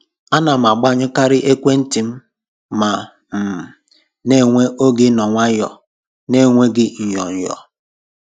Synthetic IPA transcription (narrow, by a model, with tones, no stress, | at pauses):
a˦na˨m̩˨a˨ɡ͡ba˦ɲʊ˦ka˦ɾɪ˦ʔe˦kʷe˦n̩˦ti˨m̩˦ | ma˨ | m̩˨m̩˨ | ne˦ŋʷe˦ʔo˦ɡɪ˦nɔ˨ŋʷa˦jɔ̰˨ | ne˦˨ŋʷe˦ɡɪ˦ɲ̩˨jɔ˨ɲ̩˨jɔ̰˨